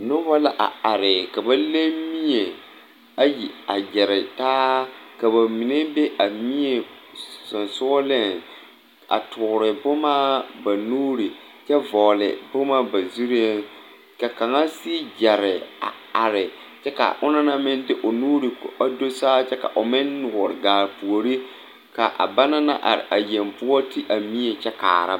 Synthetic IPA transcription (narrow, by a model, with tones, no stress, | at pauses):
nʊ˦wa˦la˦ʔa̰˨a˨ɾɪ˨ka˨ba˦le˦mi˦ɲe˨ | a˦ji˨a˨d͡ʒɛ˨ɾɪ˨taː˦ka˨ba˨mi˨ne˦be˦ʔa˨mi˦ɲe˨sʊ˨nsʊ˦lɪ˦˨n | a̰˨tʊ˨ɾɪ˨bʊ˦maː˦ba˨nuː˦ɾi˨ | t͡ʃɛ˦vɔ˨lɪ̰˨bʊ˦ma˦ba˨zu˦ɾe˦n | ka˨ka˨ŋa˦si˦d͡ʒɛ˨ɾɪ˨a̰˨ | a˨ɾɪ˨ | t͡ʃɛ˦ka̰˨ʔʊ˦na˦na˦mɪ̃˦ndɪ˦ʔʊ˨nuː˦ɾi˨ka˦do˦saː˦t͡ʃɛ˦ka̰˨ʔʊ˨mɪ˦nːʊ˨ɔ˨ɾɪ˨ɡaː˨pu˨o˨ɾi˦ | ka˨ʔa̰˨ba˦na˦na̰˦ʔa̰˨ɾɪ̰˨ʔa˨je˨mpʊ˦ɔ˦tʰi˦ʔa˨mi˦e˨t͡ʃɛ˦ka̰ː˨ɾa̰˦